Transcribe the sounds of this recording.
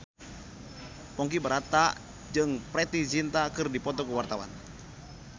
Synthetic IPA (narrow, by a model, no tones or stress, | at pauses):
pɔŋkibəɾat̪a | d͡ʒɨŋpɾɛt̪it͡ʃint̪akɨrdipɔt̪ɔkuwart̪awa̰n